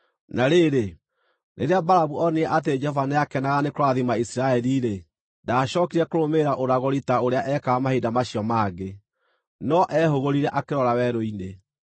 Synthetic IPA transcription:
naɾeːɾe | nʔḛɾeabaɾaβuɔneɛʔat̬eed͡ʒɛɔvaneakɛnaɣanekoɾaðimaisiɾaɛɾiɾe | daɕɔkiɾɛkoɾomeɾaʔoɾaɣɔɾitaoɾeaʔɛkaːmahedamaɕiɔmaːɣe | nɔʔɛhoɣoɾiɾɛʔakeɾɔɾawɛɾoine

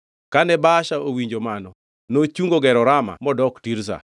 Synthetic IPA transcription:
kanɛbaʃaowiɲd͡ʒomanɔ | not͡ʃuŋɡoɡɛɾɔɾama̰mɔdɔktiɾs̬a̰

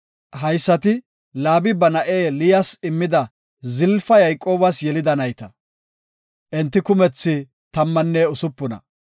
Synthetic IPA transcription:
ɦɐjsːɐt̪ɪ | laːbɪbɐnɐʔe̞ːlɪjɐsɪmːɪd̪ɐ | zɪlfɐjɐjkʼːo̞ːbɐsjɛlɪd̪ɐnɐjt̪ɐ | ʔɛnt̪ːɪkʊmɛt͡sːɪ | t̪ɐmːɐnːeːʊsʊpːʊnɐ̰

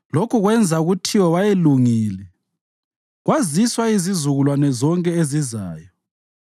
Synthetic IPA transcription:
lokuɣwɛnd͡zʱauɣutʰiwɔβajeluŋiːlɛ | ɣwaziswaizizuɣulwanɛzɔŋkʼɛeziza̰ːjɔ

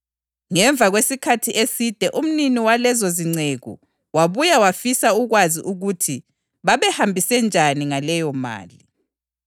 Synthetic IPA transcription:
ŋɛɱvʱaɣwesikʰatʰiʔesid̥ʱɛʔum̩niniwalɛzoziŋ͡ǀeɣṵ | waβujawafisauɣwaziʔuɣutʰi | βaβɛhambʱisɛnd͡ʒʱaniŋalɛjɔma̰ːli

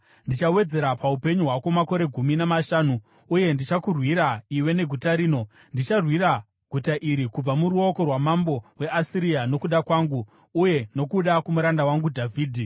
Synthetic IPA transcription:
ndit͡ʃawe̞d͡ze̞ɾapaupe̞ɲuɦwako̞mako̞ɾe̞ɡʱuminamaʃaːnuː | je̞ndit͡ʃakurwiɾaiwe̞ne̞ɡʱutaɾiːno̞ | ndit͡ʃarwiɾa | ɡ̥ʱutaʔiɾikub͡vamuɾuo̞ko̞rwamambo̞we̞asiɾijano̞kuɗakwaːŋɡuː | je̞no̞kuɗakumuɾandawaŋɡudʱavʱiːdʱi

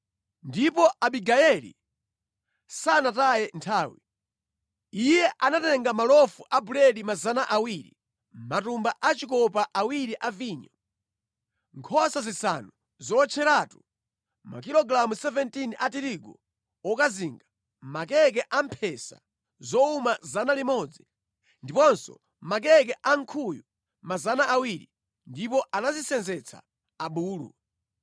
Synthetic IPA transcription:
ndipɔʔaɓiɡaɛlḭ | sanatajɛntʰaːwḭ | ijɛʔanatɛŋɡamalɔfuʔabuɾɛlimazanaʔawiɾḭ | matumbaʔat͡ʃikɔpaʔawiɾiʔaviːɲɔ | ŋkʰɔsazisa̰nu | zɔt͡ʃʰɛɾaːtu | ma̰k̬ilɔɡɾamusɛvɛntinʔatiɾiɡɔ | ɔkaziŋɡa | mak̬ɛk̬ɛʔampʰɛsa̰ | zɔumazanalimɔd͡zi | ndipɔnsɔ̰ | mak̬ɛk̬ɛʔaŋkʰuju | mazanaʔawiɾi | ndipɔʔanazisɛnzɛt͡sʰa̰ː | ɓuːlṵ

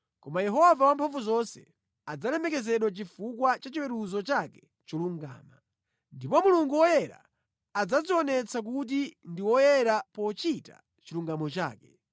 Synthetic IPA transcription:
kɔmajɛɦɔvawampʰaɱvuzɔnsɛ̰ | ad͡zalɛmɛkɛzɛɗwat͡ʃifukwat͡ʃat͡ʃiwɛɾuzɔt͡ʃakɛ | t͡ʃɔluŋɡa̰ːma | ndipɔmuluŋɡuwɔjɛɾa̰ː | d͡zaziɔnɛt͡sʰak̬ut̬indiwɔjɛɾapɔt͡ʃita̰ | t͡ʃiluŋɡamɔt͡ʃa̰ːkɛ

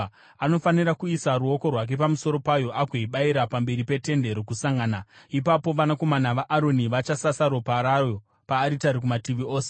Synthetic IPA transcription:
ano̞fanirakuisaɾuo̞ko̞rwak̬e̞pamuso̞ɾo̞pajo̞ʔaɡʱoiɓaiɾapambe̞ɾipe̞te̞nde̞ɾokusaŋɡaːnaipapo̞ʋanako̞manaʋaʔaɾo̞niʋat͡ʃasasaɾopaɾajo | paːɾitaɾik̬umatiʋio̞ːse

